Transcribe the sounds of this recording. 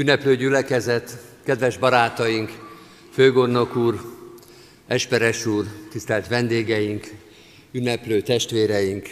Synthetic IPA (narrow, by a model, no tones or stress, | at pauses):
ynːɛpløːɟylɛkɛzɛt̪kɛd̪ʋɛʒbɒɾaːt̪ɒjiŋk | føːɡo̞rno̞kuːr | ɛʃpɛɾɛʃuːrt̪ist̪ɛlt̪ʋɛnd̪eːɡɛjiŋk | ynːɛpløːt̪ɛʃt̪ʋeːɾɛjiŋk